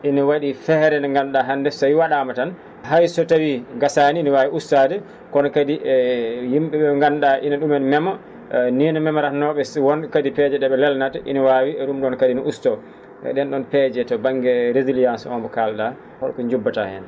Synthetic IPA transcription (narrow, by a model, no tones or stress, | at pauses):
ʔiniwaɗifɛɾɛnaŋɡanɗaɦandɛsajwaɗamatan | ɦajsɔtawiɡasaniːniwawiustadɛ | kɔnɔkadiʔɛjimɓɛɓɛŋɡanɗaʔinaɗumɛnmɛma | niːnamɛmaɾanɔɓɛswɔnkadipɛd͡ʒɛɗɛɓɛlɛlnataʔḭniwaːwiɛɗumɗɔnkadiniʔustɔ | ɛ̰ɗɛnɗɔnpɛd͡ʒɛtɔbaŋɡɛɾezilijansɔ̰mbɔkalɗa | hɔɗkɔɲd͡ʒubːata̰hɛ̰n